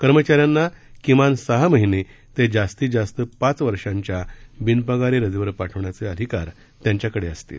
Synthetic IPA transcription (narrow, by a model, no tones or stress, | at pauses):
kəɾmət͡ɕaɾjanːakimansəɦaməɦine | t̪ed͡zast̪iːd͡zast̪əpat͡sʋəɾʂãɲt͡ɕjabinpəɡaɾiɾəd͡zeʋəɾpaʈʰəʋɳjat͡seəd̪ʱikaɾ | t̪jaɲt͡ɕjakəɽeəst̪ḭːl